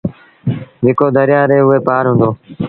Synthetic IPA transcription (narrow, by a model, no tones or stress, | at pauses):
ɦɪkoːd̪əɾjaːɾeːʊeːpaːɾɦʊ̃ːnd̪oː